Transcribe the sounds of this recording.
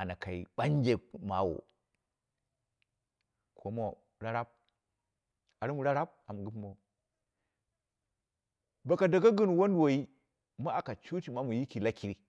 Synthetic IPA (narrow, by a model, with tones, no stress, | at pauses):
a˨na˨ka˨ḭ˨ɓa˦n˦d͡ʒe˨ma̰˨wo̰˨ | kʰo˨˦mo˨ | ɾa˦ɾa˦b̚ | a˨ɾi˦mu˨ɾa˦ɾa˦b̚a˨mu˨ɡu˦mo˨ | ba˨ka˨da˨ɡa˦ɡə˦n˨wo˦n˦wo˨i˦ | ma˦a˨ka˨t͡ʃu˦ti˨ma˦mu˨ji˦ki˨la˦ki˨ɾi˦